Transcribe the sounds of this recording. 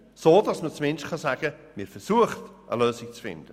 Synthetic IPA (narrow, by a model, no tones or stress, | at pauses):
soːdɑsmət͡smɪnʃkʰɑsaːɡ̥əmɪɾfɛɾsuəχtʔə̰løːsɪk̚t͡sfɪ̰nd̥ə